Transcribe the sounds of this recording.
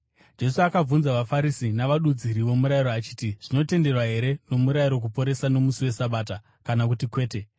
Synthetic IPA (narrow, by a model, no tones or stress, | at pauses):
d͡ʒe̞suakab͡vunzaʋafaɾisinaʋaɗud͡ziɾiʋo̞muɾaiɾoat͡ʃi̥ːtiʐ̥ino̞te̞nde̞rwaɦe̞ɾe̞no̞muɾaiɾo̞k̬upo̞ɾe̞sano̞musiwe̞saɓaːta | kanakutikwe̞ːte̞